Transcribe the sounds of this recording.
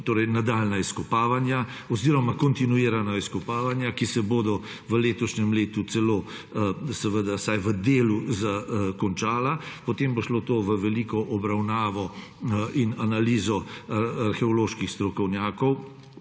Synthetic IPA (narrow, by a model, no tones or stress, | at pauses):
t̪oːɾɛjnad̪aːlnaiskɔpaːʋanjaɔziːɾɔmakɔnt̪inuiːɾanaiskɔpaːʋanjakisɛboːd̪ɔ | ʋəleːt̪ɔʃnɛmleːt̪usɛloː | sɛʋəd̪asajʋəd̪eːluzakɔnt͡ʃaːlapɔt̪eːmboʃlot̪oːʋəʋɛliːkɔʔɔbɾawnaːʋɔ | inanaliːzɔaɾxɛɔloːʃkixst̪ɾɔkɔwnjaːkɔw